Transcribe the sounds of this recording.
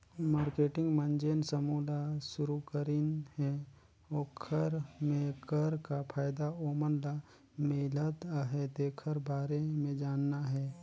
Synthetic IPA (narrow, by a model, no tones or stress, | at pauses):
maːɾkeːʈɪ̃ŋɡmə̃nd͡ʒeːnsəmuːlaʃʊɾukəɾɪnɦɛ | oːkʰəɾmẽkəɾkapʰaːjd̪aoːmənla | meːlət̪aɦɛt̪eːkʰəɾbaːɾemẽd͡ʒaːnːaɦɛː